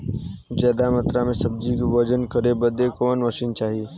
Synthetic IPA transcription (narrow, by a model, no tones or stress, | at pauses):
d͡ʒəːd̪amət̪ɾamẽsəb̚d͡ʒikʋəd͡ʒənkəɾebəd̪ekoːnməʃint͡ʃaːɦi